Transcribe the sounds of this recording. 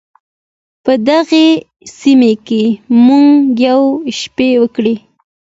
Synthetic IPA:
pəd̪aɣe | simekemuŋɡjawʃpewəkɽe

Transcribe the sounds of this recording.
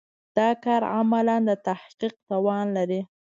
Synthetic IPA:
d̪̥ɑkɑɾa̰maland̪ət̪ahqiq̚t̪ɑwɑnlaɾi

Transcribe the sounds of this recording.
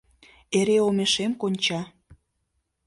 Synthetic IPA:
eɾeomeʃemkonʲt͡ɕɑ

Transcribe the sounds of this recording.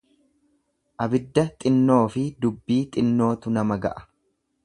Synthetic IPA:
ʔɐbɪd̪ːɐt̪ʼɪnːo̞ːfɪd̪ʊbːiːt̪ʼɪnːo̞ːt̪ʊnɐmɐɡɐ̰ʔɐ̥

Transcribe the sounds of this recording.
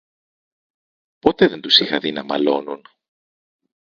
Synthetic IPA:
po̞t̪eðe̞nt̪usixɐðinɐmɐ̰lo̞nun

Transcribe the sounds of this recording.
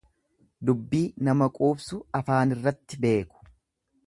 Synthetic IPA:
d̪ʊbːiːnɐmɐkʼuːbsʊɐfaːnɪrːɐt̪ːɪbe̞ːkʊ̥

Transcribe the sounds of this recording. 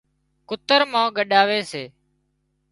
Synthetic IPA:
kʊt̪əɾmãːɡəɗaːʋeːseː

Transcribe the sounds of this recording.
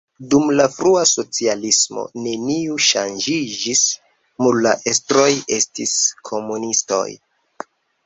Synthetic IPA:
dumlafɾuaso̞t͡sialismo̰ne̞niuʃand͡ʒid͡ʒis | mulla̰ʔestɾo̞je̞stiskʰo̞munisto̞̰j

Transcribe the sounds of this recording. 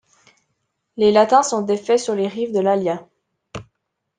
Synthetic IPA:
lelat̪ɛ̃sɔ̃d̪efɛsyʁleʁivd̪əlalja

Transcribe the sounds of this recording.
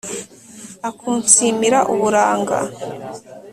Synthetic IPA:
akʰuːnsiːmiɾaʔuβuɾaːŋɡa̰

